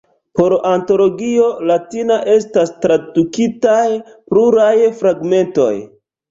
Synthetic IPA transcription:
po̞ɾanto̞lo̞ɡio̞latinaʔe̞stastɾadukitajpluɾajfɾaɡme̞nto̞̰j

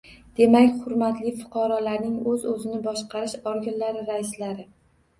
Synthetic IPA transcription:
d̪̥e̞makʲχʊɾmat̪lɪfʊ̥qʰɑɾɒlaɾnɪŋɵzɵzɪnɪbɒʃqɑɾɪʃɒɾɡʲanlaɾɪɾaɪslaɾɪ

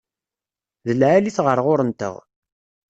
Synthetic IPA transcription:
ðəlʕaliθʁəɾʁʊɾənt̪ə̰ʁ

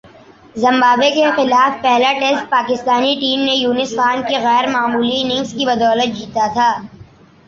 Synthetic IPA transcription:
zɐ̃mbaːbekexɪlaːfpɛɦlaʈesʈ̪̚paːkɪst̪aːniʈiːmnejuːnɪsfaːnkeɣɛːɾmaːmuːlinɪ̃ŋɡskibɐd̪ɔːlət̪̚d͡ʒiːt̪at̪ʰaː

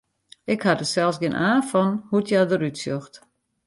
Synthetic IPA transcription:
ɪkhadəsɛlˠsɡɪənʔaːfɔnhutʰjadəɾytsjøxt

